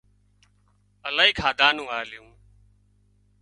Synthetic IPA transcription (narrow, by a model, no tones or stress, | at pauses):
əlaːiːkʰaːd̪aːnũːaːlɪjũː